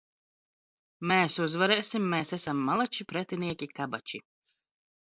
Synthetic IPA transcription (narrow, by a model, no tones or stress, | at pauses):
meːsuzvaɾɛːsʲimːɛːsɛsamːalˠat͡ʃipɾɛt̪ʲinʲiɛkʲikabat͡ʃḭ